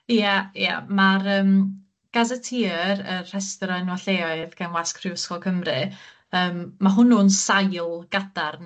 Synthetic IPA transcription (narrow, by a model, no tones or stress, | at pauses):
aja̰maɾəːm | ɡ̥azɛtʰiːrər̥ɛstɔɾanwaɬeːɔɨðɡanwaskʰrɪʊskɔkʰəmrɨ | əːmːaɦʊnunsajlˠɡ̥adarn